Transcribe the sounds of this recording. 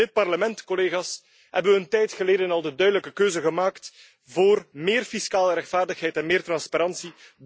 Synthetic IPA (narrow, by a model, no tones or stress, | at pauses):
ɪt̚pɑrləmɛntkoleːɣaːs | hɛ̰bəwʋəəntɛjtxəleːdənɑlˠdədœɥdələkəkøːzəɣəmaːkt | voːrmeːrfiskaːləɾɛxtfaːrdəxɦɛjtɛnmeːrtrɑnspaɾɑnsi